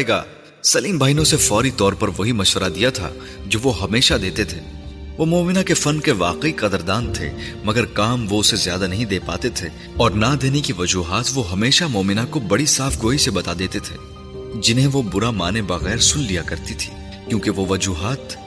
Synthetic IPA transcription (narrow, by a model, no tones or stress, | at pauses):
eːɡa̰ː | sɐliːmbʱaːinõsefɔːɾit̪ɔːɾpɐɾʋɐɦimɐʃʋəɾad̪ijat̪ʰa̰ | d͡ʒoːʋoɦɐmeːʃad̪eːt̪et̪ʰeː | ʋomɔːmɪnakefɐnkeʋa̰ːqeiqɐd̪əɾd̪aːnt̪ʰḛmɐɡəɾkaːmʋoʊsezjaːd̪anɐɦĩd̪eːpa̰ːt̪et̪ʰeː | ɔːɾnad̪eːnekiʋɐd͡ʒuːɦaːt̪ʋoɦɐmeːʃamɔːmɪnakobɐɽisaːfɡoːisebɐt̪aːd̪eːt̪et̪ʰḛː | d͡ʒɪnɦẽʋobʊɾamaːnebɐɣɛːɾsʊlːijakɐɾt̪it̪ʰi̥ː | kjõːkeʋoʋɐd͡ʒuːɦaːt̪